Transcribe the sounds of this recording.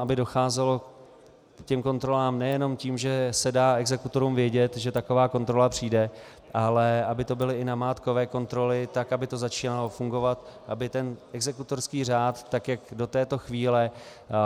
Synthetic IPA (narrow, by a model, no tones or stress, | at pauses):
abɪdo̞xaːzɛlo̞ | cɛmko̞nt̪ɾo̞laːmnɛjɛno̞mciːmʒɛsɛdaːɛɡzɛkut̪o̞ɾuːmvjɛɟɛt̪ʒɛt̪ako̞vaːko̞nt̪ɾo̞lapr̝̥iːdɛ | ʔalɛabɪt̪o̞bɪlɪɪnamaːt̪ko̞vɛːko̞nt̪ɾo̞lɪt̪akʔabɪt̪o̞zat͡ʃiːnalo̞fuŋɡo̞vat̪ʔabɪt̪ɛnʔɛɡzɛkut̪o̞rskiːr̝aːt̪ːakjakdo̞t̪ɛːt̪o̞xviːlɛ